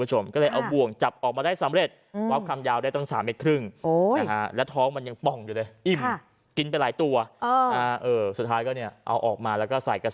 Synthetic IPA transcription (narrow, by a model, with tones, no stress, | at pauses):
u˦˥t͡ɕʰo˧mkɔː˥˩lɤː˧jʔa˧wbu˨˩əŋt͡ɕa˨˩p̚ʔɔː˨˩k̚maː˧daː˥˩jsa˨˩˦mɾe˨˩t̪̚ | waː˦˥p̚kʰa˧mjaː˧wdaː˥˩jt̪ɔ˥˩ŋsaː˩˦mʔe˨˧˩kʰɾɯ˥˩ŋo˧a˧kʰa˦˥lɛː˦˥wt̪ʰɔː˦˥ŋma˧nja˧ŋpɔ˨˩ŋjuː˨˩ɤː˧jʔi˨˩m˩ | ki˧np̬a˧jlaː˩˦jt̪u˧ɐ˧aː˧˦ʔɤː˧˩su˨˩t̪ʰːaː˦˥jkɔː˥˩ni˥˩ɐʔa̰˧wʔɔː˨˩k̚maː˧lɛː˦˥wkɔː˥˩sa˨˩jka˧